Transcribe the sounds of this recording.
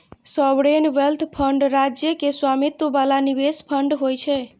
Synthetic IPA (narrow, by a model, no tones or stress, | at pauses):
sɔʋɽenʋelt̪ʰpʰəɳɖɾad͡ʒjəkeswamit̪ːobalanibespʰəɳɖɦojt͡ʃʰɛ